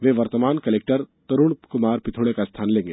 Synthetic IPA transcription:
ʋeːʋɐɾt̪əmaːnkɐleːk̚ʈəɾt̪ɐɾuɳ̃kʊmaːɾpɪt̪ʰoːɽɭekast̪ʰaːnlẽːŋɡeː

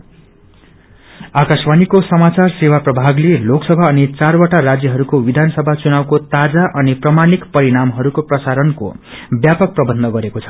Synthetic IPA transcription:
akasmanikosʌmat͡sarsewaprʌbʱaɡleloksʌbʱaʌnit͡sarwaʈarad͡zjʌɦʌɾukowid̪ʱansʌbʱat͡sunawkot̪ad͡zaʔʌniprʌmanikpʌɾiɽamɦʌɾukoprʌsaɾʌnko̰bjapʌk̚prʌbʌnd̪ʱʌɡʌɾekot͡sʰʌ̥

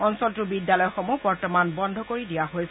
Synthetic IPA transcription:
ɔnsɔltʊbidjalɔjxɔmubɔɹtɔmanbɔndʱɔkoɹidijaɦojs

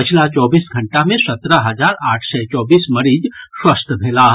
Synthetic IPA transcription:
pət͡ʃʰlat͡ʃɔːbiːsɡʱɐ̃ɳʈamẽsɐt̪ɾəɦɐd͡ʒaːɾaːʈʰsɛt͡ʃɔːbiːsmɐɾiːd͡ʒswəst̪ʰbʱeːla

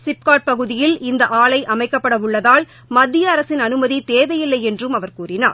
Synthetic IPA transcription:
sɪp̚kaːʈ̚pɐɣɯðɪjɪlɪnd̪ɐʔaːɭɐɪʔɐmɐɪkːɐpːɐɽɐʋʊɭːɐðaːl | mɐd̪ːɪjɐːɾɐsɪnɐnɯmɐðit̪eːʋɐjɪlːɐɪjɛndrɯmɐʋɐɾkuːrɪna̰ːɾ

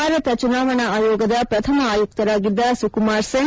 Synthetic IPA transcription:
aːɾɐt̪ɐt͡ʃunaːʋɐɳɐaːjɔːɡɐd̪ɐpɾɐt̪ʰɐmɐaːjuk̚t̪ɐɾaːɡid̪ːɐsukumaːɾseŋ

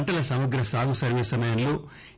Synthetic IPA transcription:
ɳʈɐlɐsɐmɐɡɾɐsaːɡusɐɾʋiːsɐmɐjɐnloː

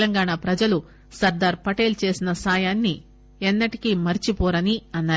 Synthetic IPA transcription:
lɐŋɡaːɳaːpɾɐd͡ʒɐlu | sɐɾd̪aːɾpɐʈe̞ːlt͡ʃe̞ːsinɐsaːjaːnːi | ɛnːɐʈikimɐɾit͡ʃipɔːɾɐniɐnːaː

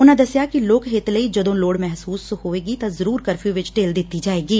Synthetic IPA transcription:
ʊnãd̪ɐsjakiloːkɦeːt̪ləid͡ʒɐd̪õloːɽmɛɦsuːshoːeːɡit̪ɐzɐɾuːɾkɐɾfʰjuʋɪt͡ʃʈeːld̪ɪt̪ːid͡ʒaːeːɡiː

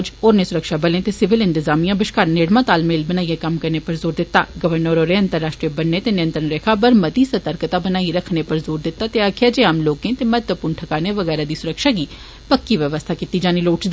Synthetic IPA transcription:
d͡ʒoːɾneːsʊɾəkʃaːbəlẽːt̪eːsɪʋɪlɪ̃nt̪ɪzaːmijãːbɪʃkaːɾneːɽmãːt̪aːlmeːlbənaːiekəmkəɾneːpəɾzoːɾd̪ɪt̪ːa̰ːɡəʋəɾnəɾoːɾeə̃nt̪əɾːaːʃʈɾiebənːeːt̪eːnɪjə̃nt̪ɾənɾeːkʰaːpəɾmət̪iːsət̪əɾkt̪aːbənaːiɾəkʰnepəɾzoːɾd̪ɪt̪ːaːt̪eaːkʰjaːd͡ʒeːaːmloːkẽːt̪eːmət̪ʋəpʊːɳʈʰəkaːneːʋəɡɛːɾaːd̪iːsʊɾəkʃaːɡiː | pəkːiːʋjəʋəst̪ʰaːkit̪iːd͡ʒaːniːloːʈt͡ʃd̪

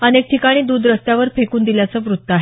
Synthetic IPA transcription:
ənek̚ʈʰikaɽ̃iːd̪uːd̪ɾəst̪jaʋəɾpʰekuːnd̪iljat͡səːʋɾut̪ːəaɦe

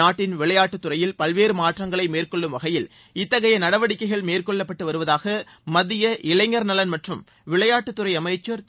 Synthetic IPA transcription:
aːʈːɪnʋɪɭɐjaːʈːɯt̪ːɯɾɐjɪlpɐlʋeːɾɯmaːʈrɐŋɡɐɭɐɪmeːrkɔɭːɯmʋɐɣɐjɪl | ɪt̪ːɐɣɐjɐnɐɽɐʋɐɽɪkːɐɪɣɐɭmeːrkɔɭːɐpːɐʈːɯʋɐɾɯʋɐðaːɣɐ | mɐðɪjɐʔɪɭɐŋɐɾnɐlɐnmɐʈrɯm | ʋɪɭɐjaːʈːɯt̪ːʊrɐɪɐmɐɪt͡ʃːɐɾ

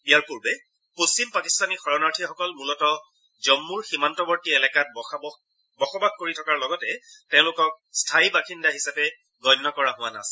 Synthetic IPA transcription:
ijaɹpuɹbɛ | post͡ʃimpakistanixɔɹɔnaɹtʰixɔkɔlmulɔtɔ | zɔmːuɹximantɔbɔɹtiɛlɛkat̚ | bɔxɔbaɡ̚koɹitʰɔkaɹlɔɡɔtɛtɛ̃ʊ̃lʊkɔk̚stʰaibakʰindaɦisapɛ | ɡɔjnːɔkɔɹaɦʊwana̰sɛ̥

